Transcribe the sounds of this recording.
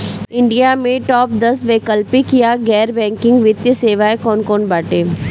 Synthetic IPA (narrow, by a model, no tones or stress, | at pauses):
ɪ̃ɳɖijamẽʈɔːp̚d̪ɐsʋeːkəlpikijaɡɛːɾbɛ̃ːŋkɪ̃ŋɡʋɪt̪jəseːʋaːekɔːnkɔːnbaːʈeː